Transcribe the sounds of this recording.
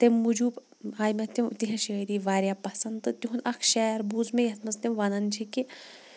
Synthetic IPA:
t̪emːud͡ʒuːp | aːjmɐt̪emt̪iɦɐ̃ʃɐɾiːʋaːɾʲjapɐsɐnd̪t̪ɨt̪ʲiɦunɐkʰʃɛːɾbuːzmejɐt̪ʰmɐzt̪emʋɐnɐnt͡ʃʰiki

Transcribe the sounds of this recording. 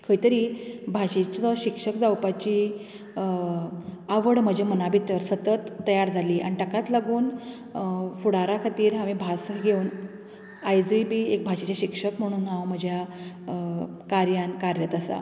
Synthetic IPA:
kʰəjt̪əɾiːbʱaɕet͡ɕɔɕikʂəkd͡zawpat͡ɕiː | aʋəɽm̤əd͡ʑʱemənabit̪əɾsət̪ət̪ːəjaɾd͡zʱaliːʔa̰niʈəkat̪laɡuːn | fuɽaɾakʰat̪iːɾɦaʋibʱasɡʱeun | ajd͡zibiːek̚bʱaɕat͡ɕjaɕikʂəkm̤əɽ̃uːnɦãwm̤əd͡ʑʱja | kaɾjankaɾjət̪əsa̰

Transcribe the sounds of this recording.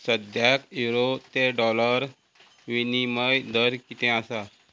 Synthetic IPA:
səd̪jakiɾot̪eɖɔləɾ | ʋiniməjd̪əɾkit̪ɛ̃asa

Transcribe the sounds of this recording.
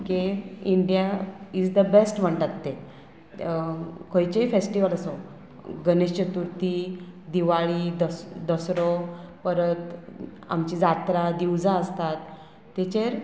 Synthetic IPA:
keiɳɖijaid͡zd̪əbesʈm̤əɳʈat̪ːe | kʰojt͡ɕeifesʈiʋələso | ɡəneɕt͡ɕət̪uɾt̪id̪iʋaɭiːd̪əd̪əsɾɔpəɾət̪ | a̰mt͡ɕid͡zat̪ɾad̪iwd͡zãəst̪at̪ː | et͡ɕeɾ

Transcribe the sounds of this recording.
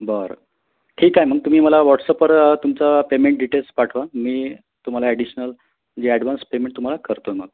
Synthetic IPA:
bəɾ | ʈʰiːkaɦem̤əɡ̚t̪um̤iːməlaʋɔʈsəpəɾt̪umt͡sapemeɳʈ̚ɖiʈelspaʈʰʋamiː | t̪um̤alaɛɽiɕnəl | d͡ʑeɛɽʋanspemẽɳʈ̚t̪um̤alakəɾt̪oməɡ̚

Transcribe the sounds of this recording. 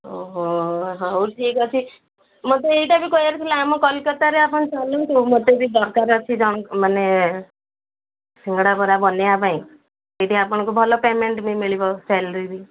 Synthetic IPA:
oɦoɦãoʈʰiːkɔt͡ʃʰi | mɔ̃t̪eeiʈabʱikɔjaɾkʰilaamɔkɔlkɔt̪aɾeapɔñt͡ʃalõt̪umɔ̃t̪ebid̪ɔɾkaɾɔt͡ʃʰid͡ʒɔɽ̃kmane | siŋɡɽabɔɾabɔnejapãĩ | eʈiapɔɽ̃ɔ̃kubʱɔlɔpemeɳʈmimiɭibɔsɛlɾiɾi

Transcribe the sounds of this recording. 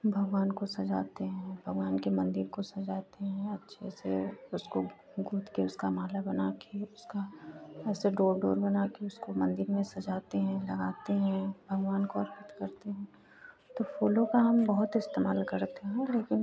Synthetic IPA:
bʱɐɡʋaːnkosɐd͡ʒaːt̪eɦɛ̃bʱɐɡʋaːnkemɐ̃nd̪ɪɾkosɐd͡ʒaːt̪eɦɛ̃ɐtːʃʰḛsḛʊsko | ɡuːt̪keʊskamaːlabɐnaːkeʊskaɛːseɖoːɾɖo̰ːɾbɐnaːkeʊskomɐ̃nd̪ɪɾmẽsɐd͡ʒaːt̪eɦɛ̃lɐɡaːt̪eɦɛ̃bʱɐɡʋaːnkoɐɾpət̪kɐɾt̪eɦɛ̃ː | t̪ofʰuːlõkaɦɐmbɐɦʊt̪ɪst̪eːma̰ːlkɐɾt̪eɦɛ̃leːkɪn

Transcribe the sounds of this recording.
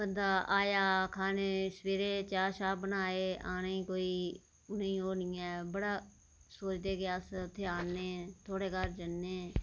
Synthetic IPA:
bənd̪aːaːjaːkʰaːneːsʋeːɾeːt͡ʃaːʃaːbənaːeːaːneːiːkoːiː | ʊnẽĩːoːnɪ̃ːɛːbəɽaː | soːt͡ʃd̪eːkeəst̪ʰːeːaːnːeːt̪ʰoːɽeːkəɾd͡ʒənːeː

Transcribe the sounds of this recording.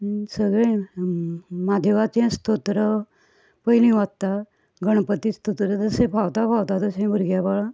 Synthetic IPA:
səɡɭẽ | mad̪ʱeʋat͡ɕɛ̃st̪ʰot̪ɾə | pəjlĩʋat̪̚t̪a | ɡəɽ̃pət̪ist̪ʰot̪ɾət̪əsẽbʱawt̪abʱawt̪at̪əsẽbəɾɡjabəɭa

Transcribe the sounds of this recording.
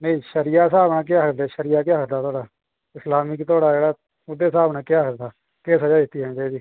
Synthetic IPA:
nəĩːʃəɾijaːsaːbnaːk̬ɪaːɦəkd̪eːʃəɾijaːk̬jaːɦəkd̪aːt̪ʰoːɽaː | ɪslaːmɪkt̪oːɽaːd͡ʒeːɽaː | ʊd̪eːsaːbnãːkɪjaːɦəkd̪aː | keːsəd͡ʒaːd̪ɪt̪ːiːɦɛ̃ːd͡ʒad͡ʒiː

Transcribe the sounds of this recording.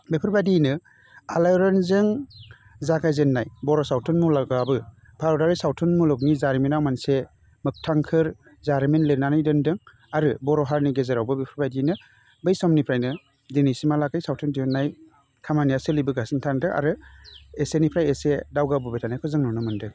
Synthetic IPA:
bepʰɯɾbadinɯ | alajɾɔnzɯŋ | zaɡajzenːajbɔɾɔsawtʰɯnmulaɡabɯ | bʰaɾɔdaɾisawtʰɯnmulɔk̚nizaɾminawmanse | mɯk̚tʰaŋkʰɯɾ | zaɾminlenanajdɯndɯŋ | aɾɯbɔɾɔɦaɾniɡezeɾawbɯbepʰɯɾbajdinɯ | bɯjsɔmnipʰɾajnɯ | dinisimalaɡajsawtʰɯndiɔnːaj | kʰamanijasɯlibɯɡasintʰaŋdɯʔa̰ɾɯesenipʰɾajesedawɡabɯbetʰanajkʰɔzɯŋnɔnɯmɯndɯ

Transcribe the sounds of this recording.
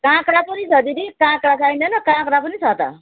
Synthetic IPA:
kãkɽapʌnisʰʌd̪iɾikãkɽasʰajnʌnʌkãkɾapʌnisʰʌt̪ʌ̰

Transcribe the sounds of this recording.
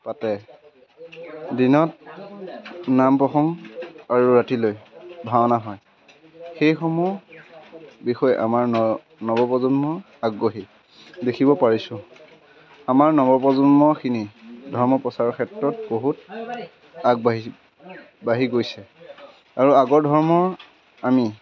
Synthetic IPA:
patɛ | dinɔt̚ | nampɹɔxɔŋaɹuɹatilojbʱanaɦɔj | xejxɔmuɔ | bixɔjɛʔa̰maɹ | nɔbɔpɔzɔnmɔ | aɡːoɦi | dekʰibɔpaɹisʊ̃ | amaɹnɔbɔpɔzɔnmɔxʰinidʱɔɹmɔpɹɔsaɹɔkʰɛtɹɔt̚boɦut | aɡbɦ | baɦiɡojsɛ | aɹuaɡɔɹdʱɔɹmɔ | ami

